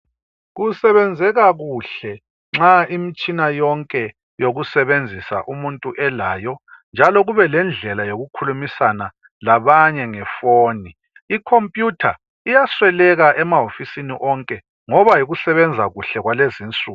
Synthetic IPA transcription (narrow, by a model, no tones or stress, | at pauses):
ɣusɛβɛnd͡zʱɛɣaɣuɬɛ | ŋ͡ǁaimit͡ʃʼinajɔŋkʼɛ | joɣusɛβend͡zʱisa̰ʔumuntʼuʔɛlaːjɔnd͡ʒʱalɔɣuβɛlɛnd͡ɮʱɛlajoɣukʰulumisana | laβaɲɛŋɛfoːni | ikʰompʼjutʰa | ijaswɛlɛɣaʔɛmaɦofisiniʔɔŋkʼɛ | ŋɔβajiɣusɛβɛnd͡zʱaɣuɬɛɣwaleziːnt͡sʼuː